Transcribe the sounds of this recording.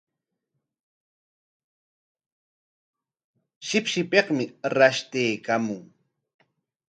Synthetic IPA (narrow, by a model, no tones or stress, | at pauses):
ʃɪpʃɪpeqmɪɾaʃt̪ejkamʊŋ